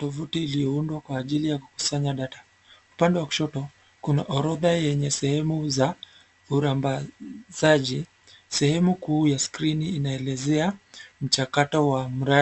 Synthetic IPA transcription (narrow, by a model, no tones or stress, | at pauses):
tɔfutiːlijɔundwakwaːʄilijakuku̥saɲaɗatḁ | upandɛwaku̥ʃɔtɔ | kunaʔɔɾɔðajɛɲɛsɛhɛmuza | uɾambaz̥aʄi | sɛhɛmukuːjaskɾiniːnaɛlɛzɛam̩t͡ʃakatɔwam̩ɾa